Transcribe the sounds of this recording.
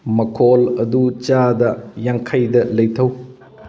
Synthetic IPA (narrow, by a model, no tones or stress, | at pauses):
mɐkʰolɐdut͡ʃadɐjaŋkʰajdɐlɐjtʰɐw